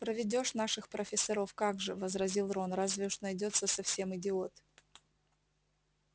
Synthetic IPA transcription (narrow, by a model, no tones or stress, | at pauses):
pɾəvʲɪdʲo̞ʂnaʂɨxpɾəfʲɪsɐɾo̞fkaɡʐɨvəzɾɐzʲilˠronɾazvʲɪʊʂnɐjdʲo̞t̪səsɐfsʲe̞mɪdʲɪo̞t̪